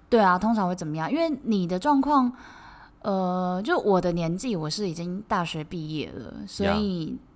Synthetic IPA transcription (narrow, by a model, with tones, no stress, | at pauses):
t̪we˥˩ɪa˩t̪ʰʊ˥ŋʈ͡ʂʰɑ˧˥ŋxwe˥˩ɪt͡sə˨˩mə˦jɑ˥ŋ˧i˥nwe˥˩ɪni˨˩d̪ə˦ʈ͡ʂwɑ˥˧ŋkʰwɑ˥˩ŋ | ə˧t͡ɕjo˥˧ʂwɔ˨˩d̪ə˦njɛ˧˥nt͡ɕi˥˩wɔ˨˩ʂɻ̩˥˩i˨˩t͡ɕi˥ŋt̪a˥˩ɕɥɛ˧˥pi˥˧jɛ̰˥˩lə̰˩swɔ˧˦˥i˨˩